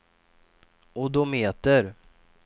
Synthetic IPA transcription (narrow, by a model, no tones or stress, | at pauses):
ɔd̪ɔmeːt̪əɾ